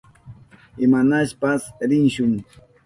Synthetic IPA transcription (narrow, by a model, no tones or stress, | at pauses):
ɪmanaʃpasɾɪnʃʊŋ